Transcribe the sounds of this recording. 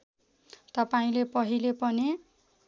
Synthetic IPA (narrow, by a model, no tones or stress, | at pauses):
t̪ʌpaĩlepʌɦilepʌne